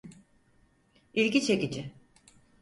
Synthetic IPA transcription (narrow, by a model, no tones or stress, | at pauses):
ilʲɟʲit͡ʃʰe̞cid͡ʒɪ